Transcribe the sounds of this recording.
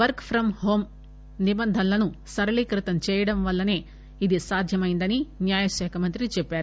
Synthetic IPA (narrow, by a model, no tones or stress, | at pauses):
ʋɐɾkpʰɾɐmhoːm | nibɐnd̪ʱɐlːɐnusɐɾɐlikɾɪt̪ɐnt͡ʃɛːjɐɽɐmʋɐlːɐne̞ː | id̪isaːd̪ʱjɐmɐːjind̪ɐninjaːjɐʃɛːkʰɐmɐnt̪ɾit͡ʃepːjaːɾ